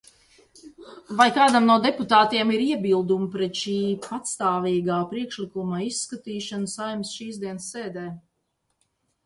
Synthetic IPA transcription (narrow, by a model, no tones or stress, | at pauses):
vajkaːd̪amnuɔd̪ɛput̪aːt̪iɛmiɾiɛbilˠd̪umpɾɛt̪ʃiːpat̪st̪aːviːɡaːpɾiɛkʃlikumaisːkat̪iːʃanəsajmsʃiːzd̪iɛnsːeːd̪ɛː